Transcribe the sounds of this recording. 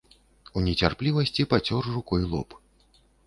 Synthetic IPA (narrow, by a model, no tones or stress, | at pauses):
unʲɛt͡sʲarplʲivɐsʲt͡sʲipat͡sʲɔrːukɔjlˠɔ̰p